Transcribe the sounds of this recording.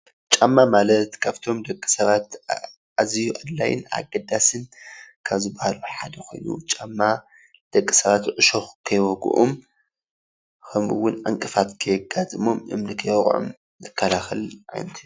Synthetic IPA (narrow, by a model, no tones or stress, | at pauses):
t͡ʃʼamːamalɐt̪kʰaβt̪ʰo̞md̪ɐkʼːi̥sɐβat̪ | ʔazijuʔad̪lajɪ̰na̰ɡɐd̪asɨnkʰaβzɨbahaluħad̪ɐkʰo̞̰jnṵt͡ʃʼamːa | d̪̥ɐkʼːisɐβat̪ʕɨʃoxkʰɐjwɔɡṵʔum | kʰɐmɨ̰wːʊnʔaŋkʼɨfat̪kʰɐjɨɡat̪ʼɨmomʔɨ̰mnɨkʰɐjɣʼʕo̰m | zɨkʰːɐlaxɨlʕa̰jnɐt̪ʰi